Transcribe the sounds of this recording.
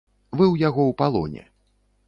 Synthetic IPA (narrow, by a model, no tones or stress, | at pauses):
vɨwjaɣɔwpalˠɔ̰nʲɛ̰